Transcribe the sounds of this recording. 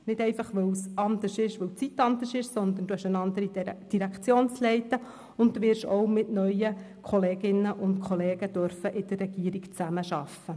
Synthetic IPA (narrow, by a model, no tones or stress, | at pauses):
nɪdɛɪfɑχʋœwsɑnd̪əʃɪʃʋɵwt͡sit̪ːɑnd̪əʃɪʃsɔnd̪ənd̥uæʃənɑnd̪əɾid̥iɾækχt͡sjoːnt͡slɛɪt̪ːə | ʊnt̚d̥uʋɪɾʃɔ̰ʊmɪtnœjə | kʰɔleːɡɪnːəʔʊntkʰɔleːɡ̥əd̥̪œɾfəʔɪd̥̪ərːɛɡ̥iːəɾikt͡sæməʃɑfːə